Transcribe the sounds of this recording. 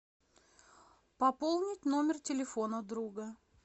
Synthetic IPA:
pɐpolˠnʲɪtʲno̞mʲɪrtʲɪlʲɪfo̞nəd̪ɾuɡə

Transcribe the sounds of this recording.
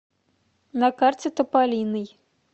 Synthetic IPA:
nɐkart͡sʲɛt̪ɐpalʲinɨj

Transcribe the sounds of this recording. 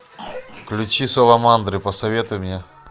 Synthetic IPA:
klʲʊt͡ɕisolˠamand̪ɾɨpəsɐvʲet̪ʊjmʲnʲe

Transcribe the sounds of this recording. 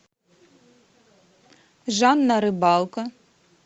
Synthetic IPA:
ʒɑnːɐɾɪbɑlˠkɐ

